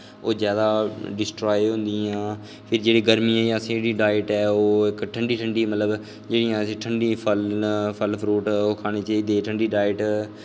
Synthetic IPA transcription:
oːzjaːd̪aːɖɪsʈɾaːjeɦʊ̃nd̪iãː | pʰɪɾd͡ʒeːɽiːɡəɾmiːɛːjãːsẽɽiːɖaːɪʈɛːoːɪkʈʰəɳɖiːʈʰəɳɖiːmət̪ləb | d͡ʒeːɽijãːsĩːʈʰəɳɖiːpʰəlpʰəlpʰɾuːʈokʰaːɽ̃eːt͡ʃaːiːd̪eːʈʰəɳɖiːɖaːɪəʈ

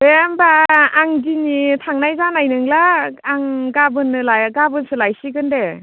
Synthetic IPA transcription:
bembaːŋdinitʰaŋnajzanajnɯŋlaːŋɡabɯnːɯlaɡabɯnsɯlajsiɡɯnde

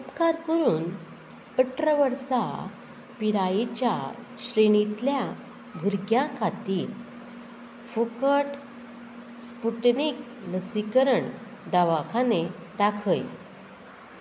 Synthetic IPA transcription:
upkaɾkəɾuːn | əʈʰɾəʋəɾsa | piɾajit͡ɕja̰ | ɕɾeɳ̃it̪lja | bʱuɾɡjãkʰat̪i | fukəʈ | spuʈnik̚ | nəsikəɾəɳ | d̪aʋakʰaned̪akʰəj

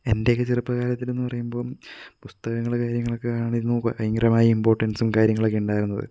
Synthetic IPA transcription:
e̞nde̞kːɨt͡ɕirɨpːɐkaːlɐt̪ːile̞nːɨpɐrɐjumbo̞ːɭmpust̪ɐɣɐŋːɐɭkaːɾjɐŋːɐɭo̞kːekaːɳaːɳiðnːuɐiŋɡɐɾɐmaːjɐimbo̞ːrʈːɐnsumkaːɾjɐŋːɐɭokːeuɳɖaːjiɾunːɐðɨ̰

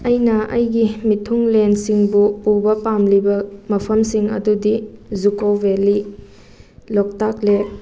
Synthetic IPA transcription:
ɐjnɐɐjɡimitʰuŋlensiŋbuubɐpamlibɐmɐpʰɐmsiŋɐ̰dudizukobeli | lok̚tak̚le

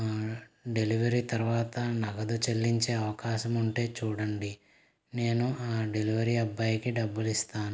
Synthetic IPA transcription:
ɖe̞liʋɐɾiːt̪ɐɾuʋaːt̪ɐnɐɡɐd̪ut͡ʃelːiɲt͡ʃeːɐʋɐkaːʃɐmuɳʈe̞ːt͡ʃuːɽɐɳɖi | ne̞ːnuaːɖe̞liʋɐɾiːɐbːɐjikiɖɐbːulist̪aːnu

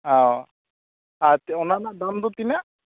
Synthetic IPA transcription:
aw | at̪ɔnanad̪amd̪ut̪ina

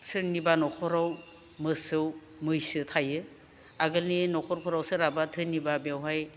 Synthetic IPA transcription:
sɯɾnibanɔkʰɔɾaw | mɯsɯw | mɯjsɯtʰajɯ | aɡɯlninɔkʰɔɾpʰɔɾawsɯɾabatʰɯnibabjawɦaj

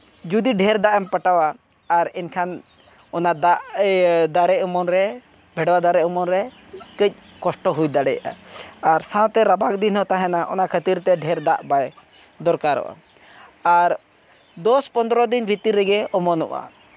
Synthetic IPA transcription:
d͡ʒud̪iɖʱɛɾd̪aʔɛmpaʈawaː | ɾɛnkʰan | ɔnad̪aʔd̪aɾɛʔɔmɔnɾɛ | bʱɛɽwad̪aɾɛʔɔmɔnɾɛ | kəc̚ | kɔsʈɔɦujd̪aɽɛjʔa̰aɾsãwt̪ɛɾabak̚d̪inɦɔt̪aɦɛnaʔɔ̰nakʰət̪iɾt̪ɛɖʱɛɾd̪aʔbaj | d̪ɔɾkaɾɔ̰ʔa̰ | aɾ | d̪ɔspɔnd̪ɾɔd̪inbʱit̪iɾɛɡɛɔmɔnɔ̰ʔa̰

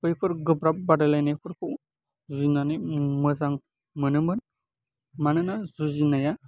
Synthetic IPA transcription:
kɯjpʰɯɾɡɯbɾap̚badalajnajpʰɯɾpʰɯw | zuzinanɯjmɯzaŋ | mɯnɯmbɯn | manɯnazuzinaja

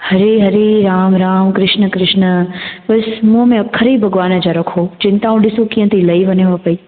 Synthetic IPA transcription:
hɐɾeɦɐɾeɾaːmɾaːmkɾɪʃnə̆kɾɪʃnəbɐsmũɦəmẽɐkʰːəɾibʱɐɡʋaːnəd͡ʑaɾɐkʰod͡ʑɪ̃nt̪aːũɗɪsokĩːɦə̃t̪ʰilɐiʋɐnəʋapɐiː

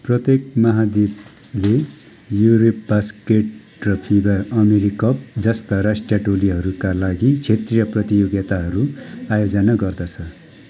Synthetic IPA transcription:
prʌt̪jek̚mʌɦad̪ib | le | juɾop̚baskeʈ | rʌpʰibʌrʌmeɾikʌp̚d͡zʌst̪ʌɾasʈjaʈoliɦʌɾukalaɡit͡sʰet̪rijʌprʌt̪ijoɡjʌt̪aɦʌɾuajod͡zʌnʌɡʌrd̪ʌt͡sʰʌ

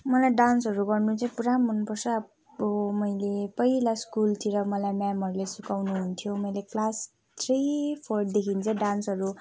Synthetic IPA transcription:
mʌlajɖansɦʌɾuɡʌrnut͡saj̃puɾamːʌnpʌrsʌ | omʌjlepʌilaskult̪ʰiɾʌmʌlajmjamɦʌɾulajsukawnuɦunt̪ʰijomʌjleklas | t̪ʰripʰorʈ̚d̪ekʰint͡sʰʌ̃ɖansɦʌɾu

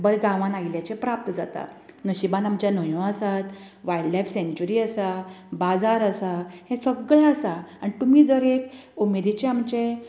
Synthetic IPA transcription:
bəɾɡãʋãnailjat͡ɕepɾap̚t̪əd͡zat̪a̰nəɕibãnamt͡ɕjanəjõəsat̪ | ʋaiɖlajfsẽɲt͡ɕuɾiːəsabad͡zaɾəsahɛ̃səɡɭaəsaːɽ̃it̪umiːd͡zəɾekumed̪it͡ɕeamt͡ɕẽ

